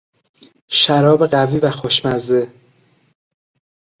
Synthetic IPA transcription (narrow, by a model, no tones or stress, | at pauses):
ʃæɾɒːbe̞ɢæviːvæxoʃmæze